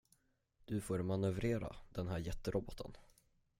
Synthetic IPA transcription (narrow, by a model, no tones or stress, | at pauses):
d̪̥ɵfoːɾmanɵvɾeːɾa̰d̪̥ɛnɦæːɾjɛt̪ːəɾɔbɔt̪ʰːə̰n